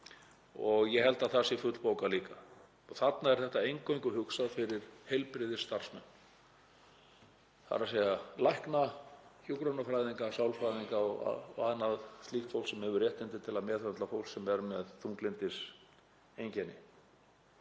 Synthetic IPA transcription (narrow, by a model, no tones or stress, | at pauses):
ɔɣjɛɦɛlt̪aθasɪfʏt̪lpoːwkaliːka | ɔɣθat̪naɛɾ̥θɛht̪aejŋkowŋkʏɦʏksaðfɪɾɪɾ̥hejlpɾɪðɪst̪ar̥smɛ̰nː | θa̰ɾasejalajhknaçukɾanafɾajðiŋkasawlfɾajðiŋkaɔɣa̰a̰ðnːaðst̪lixt̪fowlsɛmhɛvʏɾrjɛht̪ɪnt̪ɪt̪ʰɪlaðmɛːθœnt̪lafowlsɛmɛɾmɛðθuŋklɪnt̪ɪs | ejɲcɛnɪ